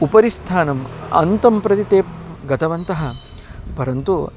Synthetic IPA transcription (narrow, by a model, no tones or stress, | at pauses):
upɐɾist̪ʰaːnɐmɐ̰nt̪ɐmpɾɐt̪it̪eːpɡɐt̪ʰɐʋɐnt̪ɐɦɐ | pɐɾɐnt̪u